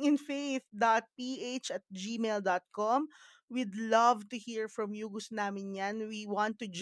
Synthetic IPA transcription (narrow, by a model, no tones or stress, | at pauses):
ɪ̃nfejθd̪at̪̚piʔet͡ʃɐt̪̚d͡ʒiːmeld̪at̪̚kɔm | wɪd̪lɐvt̪ʊhiɹfɹɐmjuːɡʊsnaːmɪnjanwiwɑ̃nt̪ːʊd͡ʒ